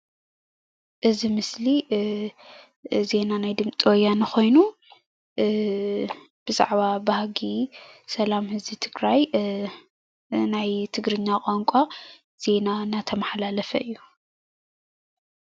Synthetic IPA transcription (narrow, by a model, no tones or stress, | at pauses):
ʔɨzimɨsli | ze̞nanajd̪ɨmt͡sʼiwɔjːanɨxo̞jnu | b̥ɨza̰ʕβabahɡisɐlamhɨzbit̪ʰɨɡɾaj | najt̪ʰɨɡɾɨɲːakʼaŋkʷʼa | z̥e̞nanat̪ʰɐmaħlalɐfɐʔɨjːu